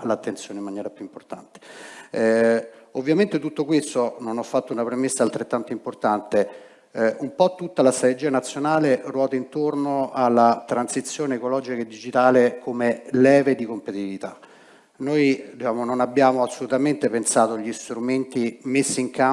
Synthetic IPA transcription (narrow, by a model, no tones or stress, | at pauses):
lat̪ːent̪sjoːneimːanjɛːɾapjuimport̪a̰nt̪e̥ | ovːjament̪et̪ut̪ːokwest̪ononɔfːat̪ːounapɾemesːaːlt̪ɾet̪ːant̪oimport̪ant̪e | umpɔt̪ːut̪ːalast̪ɾat̪ed͡ʒiːanat̪sːjonaːlerwɔːt̪aint̪ornoalːat̪ɾansit̪sːjoːneːkolɔːd͡ʒikaed̪ːid͡ʒit̪aːlekʰomelɛːved̪ikompet̪iivit̪a | nojd̪it͡ʃaːmononabːjaːmoasːolut̪ament̪epensaːt̪oʎːist̪ɾument̪imesːiːŋka